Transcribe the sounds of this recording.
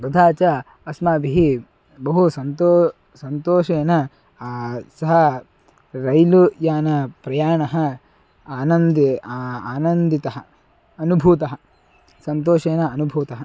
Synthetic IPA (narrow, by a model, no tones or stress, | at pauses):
ɾɐd̪ʱaːt͡ʃɐ | ɐsmaːbiɦi | bɐɦusɐnt̪oː | sɐnt̪oːʃeːnɐ | sɐɦɐ | ɾɐjlujaːnɐpɾɐjaːɳɐɦɐ | aːnɐnd̪aːnɐnd̪it̪ɐɦɐ̆ | ɐnubʱuːt̪ɐɦɐ | sɐnt̪oːʃeːnɐːnubʱuːt̪ɐɦɐ